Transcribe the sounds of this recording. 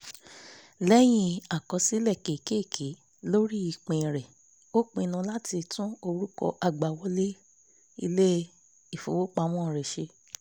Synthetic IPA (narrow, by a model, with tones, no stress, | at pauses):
lɛ˦j̃ĩ˧a˨kɔ̃˧si˦lɛ˦˨ke˨ke˦˨kʰe˨˦ | lo˦ɾi˦i˧k͡pẽ˧˨ɾɛ˨ | o˦k͡pẽ˧nũ˧la˦ti˧tũ˦o˧ɾu˦kɔ̰˧ʔa˧ɡ͡ba˨wɔ˧˦le˦ | i˧le˦ | i˦˨fo̰˨˦wo˦k͡pa˧˦w̃ɔ̃˦˨ɾɛ˨ʃe˧˦